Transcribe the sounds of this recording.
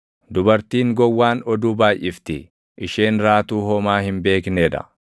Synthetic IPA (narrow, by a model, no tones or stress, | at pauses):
d̪ʊbɐɾt̪iːŋɡɔwːaːnɔd̪uːbaːjʔɪft̪ɪ | ʔɪʃeːnɾaːt̪uːɦɔmaːhɪmbe̞ːkneᶑɐ̰